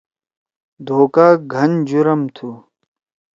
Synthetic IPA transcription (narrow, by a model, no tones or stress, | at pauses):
d̪ʱoːkaːɡʱɐnd͡ʑuɾɐmt̪ʰuː